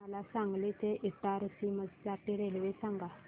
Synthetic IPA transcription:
əlasaŋɡlet̪eʔit̪aɾəsiməd͡zsaʈiɾelʋesaŋɡa

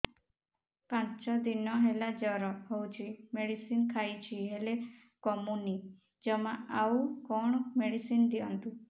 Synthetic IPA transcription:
pãt͡ʃɔd̪inɔɦelad͡ʒɔɾɔɦowt͡ʃʰimeɽisinkʰajt͡ʃʰiɦele | kɔmuni | d͡ʒɔmaawukɔɳ̃ɔmeɽisind̪iɔnt̪u

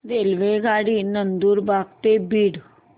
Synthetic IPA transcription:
d̪eːlʋeɡaːɽinənd̪uːɾbaːɡ̚t̪ebiːɽ

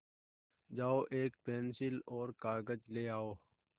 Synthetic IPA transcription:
d͡ʒaːoːʔeːkpeːnsɪloːɾkaːɡəd͡ʒleːaːoː

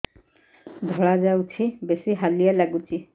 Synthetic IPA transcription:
d̪ʱɔɭad͡ʒawt͡ʃʰibesiɦalijalaɡut͡ʃʰi

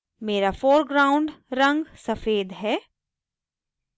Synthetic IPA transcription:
meːɾafoːɾɡɾaːʊ̃ɳɖɾɐ̃ŋɡsɐfeːd̪ɦɛː

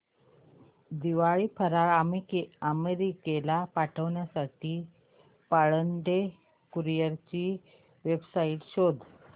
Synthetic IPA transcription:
d̪iʋaɭiːpʰəɾaɭaəmeɾikelapaʈʰəʋɳjasaʈiː | paɭəɳɖe | kuɾijəɾt͡ɕiː | ʋebsaiʈɕod̪ʱ

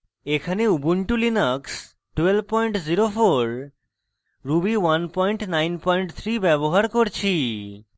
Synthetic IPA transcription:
ekʰaneubuɳʈulinaks | ʈwelb̚pɔjɳʈziɾofoɾ | ɾubiwanpɔjɳʈnajnpɔjɳʈt̪ʰɾibɛboɦaɾkoɾt͡ɕʰi

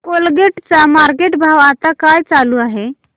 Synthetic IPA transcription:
kolɡeʈt͡samaɾkeʈbʱaʋat̪akajt͡saluaɦe

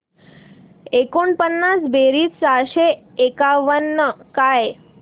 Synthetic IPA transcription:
ekuɳpənːãsbeɾit͡ssaʃe | ekaʋənːəkaj

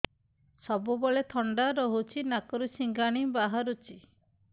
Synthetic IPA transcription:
sɔbubɔɭet̪ʰɔɳɖaɾɔɦut͡ʃʰinakɔɾusiŋɡaɽ̃ibaɦaɾut͡ʃʰi

